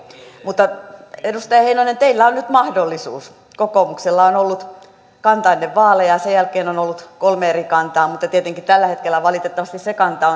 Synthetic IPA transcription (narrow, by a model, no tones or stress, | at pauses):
mut̪ːɑedust̪ɑjɑheinoinent̪eilːæonnyt̪mɑhdolːisṵːs | kokomukselːɑonolːut̪ | kɑnt̪ɑinːeʋʋɑːlejɑsejælkeːnonolːut̪kolmeerikɑnt̪ɑːmut̪ːɑt̪iet̪eŋkitt̪ælːæhet̪kelːˑæʋɑlit̪et̪ːɑʋɑst̪isekɑnt̪ɑo